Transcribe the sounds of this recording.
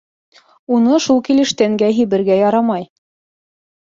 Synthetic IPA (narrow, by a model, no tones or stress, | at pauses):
unɤʃulˠkilɘ̆ʃt̪æŋɡæɦiβɘ̆ɾɡæjɑɾɑmɑj